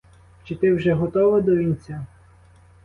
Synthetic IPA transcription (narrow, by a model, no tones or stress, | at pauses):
t͡ʃɪt̪ɪwʒɛɦɔt̪ɔʋɐd̪ɔʋʲinʲt͡sʲːa